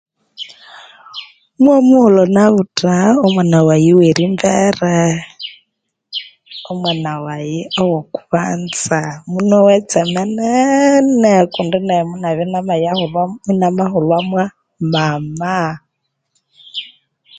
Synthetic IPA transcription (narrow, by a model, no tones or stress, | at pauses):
mwamuhɔlɔnaβutʼaɔmwanawajiweɾimbɛɾɛ | ɔmwanawajiɔwɔku̥βa̰nt͡samunɔwɛt͡sɛmɛnɛnɛkundinɛmunaβinamajahulinamaɦulwamwa | mama